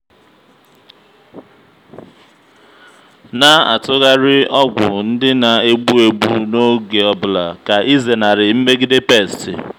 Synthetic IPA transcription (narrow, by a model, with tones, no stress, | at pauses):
na˦a̰˨tʊ˦ɣa˦ɾɪ˦ɔ˦ɡʷʊ̰˨n̩˦dɪ˦na˨e˦ɡ͡bu˦e˨ɡ͡bu˦no˦ɡe˨ɔ˦bʊ˨la̰˨ka˨ʔi˦ze˨na˨ɾɪ˨m̩˦me˦ɡɪ˦de˦pe˦˨stɪ̰˨